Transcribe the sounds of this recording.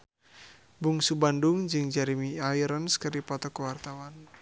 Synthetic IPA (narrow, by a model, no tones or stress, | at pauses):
buŋsubanduŋd͡ʒɨŋd͡ʒaɾimiaiɾənskəripɔt̪ɔkəwart̪awan